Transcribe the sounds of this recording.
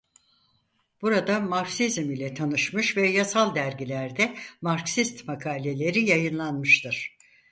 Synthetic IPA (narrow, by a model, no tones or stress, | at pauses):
b̥uɾad̪amaɾksizmilʲɛt̪ʰanɯʃmɯʃvɛjasalˠd̪æɾɟilʲæɾd̪ɛmaɾksist̪makʰaːlʲe̞lʲe̞ɾijajɯnlˠanmɯʃt̪ʰɯɾ̥